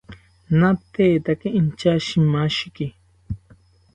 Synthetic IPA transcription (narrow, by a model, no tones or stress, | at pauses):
nat̪eːt̪akiint͡ʃaʃimaʃiki